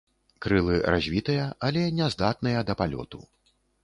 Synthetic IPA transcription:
kɾɨlˠɨɾazʲvʲit̪ɨjɐalʲɛnʲɛzd̪at̪̚nɨjɐd̪ɐpalʲɔ̰t̪u

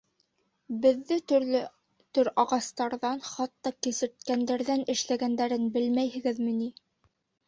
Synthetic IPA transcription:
bɘ̆ðːɘt̪ɵɾlɘ | t̪ɵɾɑʁɑst̪ɑɾðɑnχɑt̪ːɑkɘ̆sɘ̆ɾt̪̚kænd̪æɾðænɘ̆ʃlæɡænd̪æɾɘnbɘlmæjhɘ̆ɡɘðmɘ̆ni

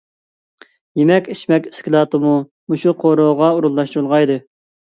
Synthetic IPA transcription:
jemɛkʲiʃmɛkʲɪ̥skʲilˠɑt̪ɨmu | muʃuqʰoɾoʁɑuɾulˠːɑʃt̪ɾɨlˠʁɑjd̪ɨ

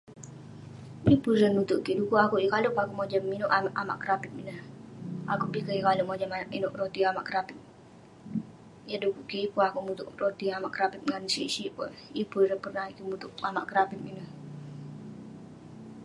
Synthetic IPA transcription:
ipuɾənmut̪ʊʔkiʔdukuʔakuʔjikalʊpakuʔmod͡ʒəminʊʔaʔama̰ʔkəɾapit̪̚minəha̰kupikəjikaluʔmod͡ʒəmaʔinʊʔɾot̪iama̰ʔkəɾapit̪̚ | jədukuʔkiipuakumut̪ʊʔrot̪iamaʔkəɾapit̪̚ŋansisipʊnipuɾəpərnahikimut̪ʊʔamaʔkəɾapit̪̚minəh

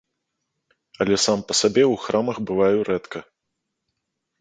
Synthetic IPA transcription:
ɐlʲɛsampɐsabʲɛwxɾʔamɐxbɨvajuɾɛt̪kɐ

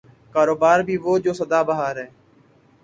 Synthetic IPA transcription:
kaːɾoːbaːɾbʱiːʋoːd͡ʒoːsəd̪aːbəɦaːɾɦɛː

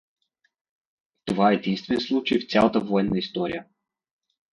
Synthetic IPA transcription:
t̪ovaɛɛd̪inst̪vɛnslˠut͡ʃəjft̪sʲalˠət̪əvoɛnːəist̪ɔɾḭjə

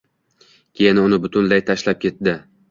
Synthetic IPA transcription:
kʲʰejɪnʊnɪbʊt̪ʰʊnlajt̪ʰaʃlap̚kʲe̞t̪̚d̪ɪ

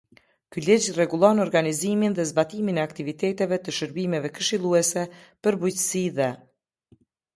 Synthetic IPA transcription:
kylid͡ʒrɛɡulˠɔnɔɾɡaniziminðɛzbat̪iminɛakt̪ivit̪ɛt̪ɛvɛt̪əʃəɾbimɛvɛkəʃilˠuɛsɛpəɾbujt̪ə̥siðɛ

